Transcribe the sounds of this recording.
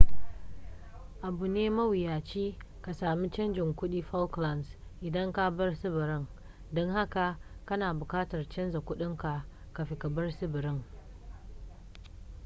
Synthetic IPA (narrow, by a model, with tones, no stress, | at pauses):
ʔa˨bu˨neː˦mɐ˦wɪ˨jaː˨t͡ʃiː˦ | ka˨saː˨mi˦t͡ʃɐ˦nd͡ʒɪ˨ŋkʷʊ˦ɗiː˦ɸa˦lkla˨nsʔɪ˨dɐ˦ŋka˦bɐ˦rsɪ˦bɪ˨ɾɪ˦ŋ | dɔ˦ŋɦa˦ka˨kɐ˦naː˨bʊ˨kaː˦tɐ˨rt͡ʃɐ˦nza˨kʷʊ˦ɗɪ˦ŋka˨ | ka˨ɸɪ˨ka˨bɐ˦rsɪ˦bɪ˨ɾɪ˦ŋ